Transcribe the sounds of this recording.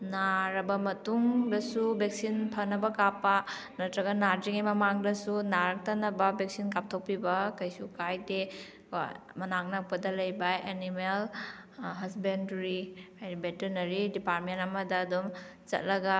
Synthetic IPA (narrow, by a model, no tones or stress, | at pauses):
naɾɐbɐmɐtuŋdɐsubek̚sinpʰɐnɐbɐkapːɐnɐtɾɐɡɐnaɾd͡ʒiŋimɐmaŋdɐsunaɾɐk̚tɐnɐbɐbek̚sinkap̚tʰok̚pibɐkɐjsukajdḛ | mɐnaŋnɐk̚pɐdɐlɐjbɐenimel | ɦɐsbendɾidibeteɾnɐɾidipaɾ̚mentɐmɐdɐːdom | t͡ʃɐ̰t̚lɐɡɐ